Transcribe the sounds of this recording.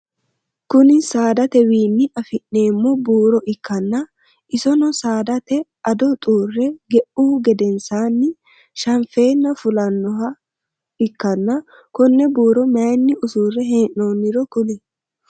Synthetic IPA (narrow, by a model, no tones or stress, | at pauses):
kʊnɪsaːd̪ɐt̪ɛwiːnːɪʔɐfɪʔːe̞ːmːɔbuːɾɔʔɪkːɐnːɐ | ɪsɔnɔsaːd̪ɐt̪ɛʔɐd̪ɔt̪ʼuːrːɛɡɛʔuːɡɛd̪ɛnsaːnːɪ | ʃɐnfe̞ːnːɐfʊlɐnːɔɦɐ | ɪkːɐnːɐ | kɔnːɛbuːɾɔmɐjnːɪʔʊsuːrɛɦeːnnoːnːɪɾɔkʊlɛ